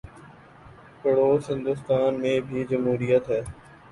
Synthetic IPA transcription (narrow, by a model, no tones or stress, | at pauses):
kəɽoːsɦɪ̃nd̪ʊst̪aːnmẽːbʱiːd͡ʒəmɦuːɾijət̪ɦɛː